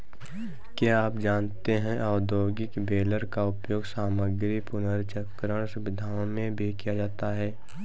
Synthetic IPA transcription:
kjaaːpd͡ʒaːnt̪eɦɛ̃ʔɔːd̪oːɡɪkbeːləɾkaʊpjoːɡsaːməɡɾipʊnəɾt͡ʃəkɾəɽ̃sʊʋɪd̪ʱaːõmẽbʱikijad͡ʒaːt̪aɦɛː

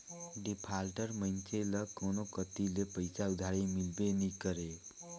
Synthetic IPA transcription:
ɖipʰalʈəɾmənt͡ʃelʌkonokət̪ilepəjsaud̪ʱaɾimilbenikəɾe

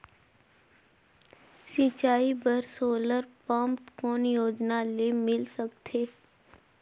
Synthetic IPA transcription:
sĩt͡ʃaːibəɾsoːləɾpə̃mpkɔːnjoːd͡ʒnalemɪlsəkt̪ʰeː

